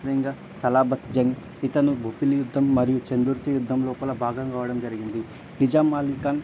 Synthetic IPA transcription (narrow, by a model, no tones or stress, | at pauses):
ɐjɐŋɡaː | sɐlaːbɐt̪d͡ʒɐŋ | it̪ɐnubʱupilijud̪ʱːɐmːɐɾijut͡ʃend̪uɾt̪ijud̪ːɐmlɔːpɐlɐbʱaːɡɐmkaːʋɐɽɐmd͡ʒɐɾiɡind̪i | nid͡ʒaːmaːlikan